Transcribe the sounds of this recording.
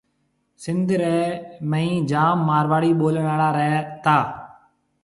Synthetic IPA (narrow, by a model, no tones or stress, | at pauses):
sɪ̃nd̪ɾɛːməĩːd͡ʒaːmːaːɾʋaːɽiːɓoːlɽaːlaːɾɛːt̪aː